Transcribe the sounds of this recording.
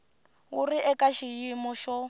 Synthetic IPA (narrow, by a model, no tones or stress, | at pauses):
uriʔɛkaʃijimɔʃɔ